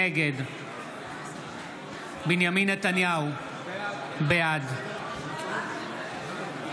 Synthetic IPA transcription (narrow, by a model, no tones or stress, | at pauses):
eɡed̪ | binjaminɐt̪ɐnijaw | bead̪